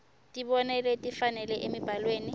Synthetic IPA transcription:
tʼiβɔnɛletʼifanɛlɛʔemib̥ʱalweːni

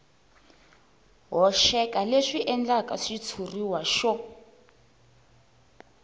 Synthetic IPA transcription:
ɦɔʃɛkaleʂiʔɛnd͡ɮakaʂit͡sʰuriwaʃɔ

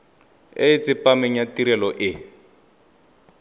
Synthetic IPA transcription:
eɪt͡sɪpamɛɲatiɾɛlɔʔɪ

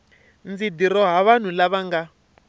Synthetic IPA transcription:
nd͡zidiɾɔɦaβan̤ulaβaŋɡa

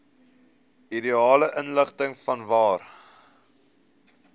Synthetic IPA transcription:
idiɑːləʔənləχtəŋfɐnvɑːr

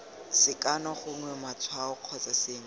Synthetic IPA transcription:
sɪkanɔχʊŋwɛmat͡sʰwaʊq͡χʰɔt͡sasɪːŋ̩

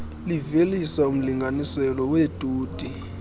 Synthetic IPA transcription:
livelisaum̩liŋɡʱanisɛlɔwed̥ʱʼuːd̥ʱi

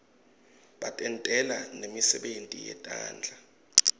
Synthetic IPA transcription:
ɓatʼɛntʼɛlanemisɛɓentʼḭjɛ̰tʼa̰ːnd͡ɮʱa

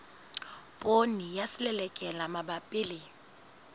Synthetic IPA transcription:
pʼonijasɪlɛlɛkʼɛlamabapʼɪle

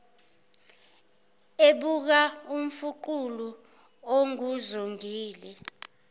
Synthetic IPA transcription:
eɓuk̬aum̩fuǃulu | oŋuzoŋiːlɛ

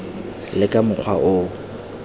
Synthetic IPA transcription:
lɪkʼamʊk͡xʰwa̰ʔʊ

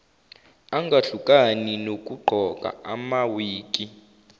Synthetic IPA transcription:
aŋɡʱaɬukʼaninok̬ʼuɡ͡ǃʱɔkʼa̰amawiːk̬ʼi

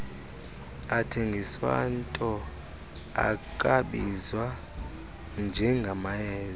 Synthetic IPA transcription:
atʰeŋɡʱiswa̰ntʼɔ | a̰kʼaɓizwa | nd͡ʒʱɛŋɡʱamajɛːz

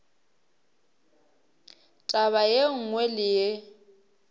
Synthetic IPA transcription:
tʼaβajeŋ̩ŋwelɪje

